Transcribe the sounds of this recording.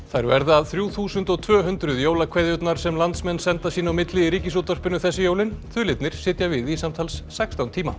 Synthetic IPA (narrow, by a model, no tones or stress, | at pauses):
θaɾvɛ̰ɾðɪaðθɾjuːθuːsʏnt̪ɔɣt̪ʰvœːɦʏnt̪ɾʏðjoːwlakʰveːjðʏt̪naɾ̥sɛmlant̪smɛnːsɛnt̪asiːnawmɪt̪lɪiɾiːcɪsut̪ar̥pɪnʏθɛsːɪjoːwlɪnθʰʏːlɪt̪nɪɾ̥sɪːt̪javɪðisamt̪ʰaːlsːɛkst̪awnt̪ʰiːma̰